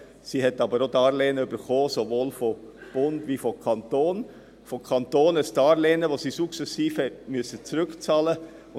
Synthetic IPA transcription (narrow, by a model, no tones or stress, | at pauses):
siːɦɛtːɑbəɾodɑːɾleːnəʏbəɾχoːsoʋoːlfob̥ʊndʋifɔkʰɑnt̪oːn | fokʰɑnt̪oːnəstɑːɾleːnəʋosiːsuksɛsiːfhɛtmyəsət͡sɾʏkt͡sɑːlə